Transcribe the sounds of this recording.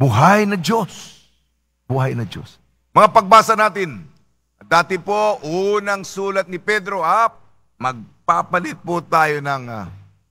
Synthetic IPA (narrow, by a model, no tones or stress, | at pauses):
bʊɦajnɐd͡ʒos | buɦajnɐd͡ʒo̰s | mɐŋapɐɡ̚baːsɐnaːt̪ɪn | d̪aːt̪ɪpoʔunɐŋsuːlɐt̪̚nɪpɛd̪ɾo̞ʔɐt̪̚ | mɐɡ̚papɐlɪt̪̚pʊt̪aːjonɐŋa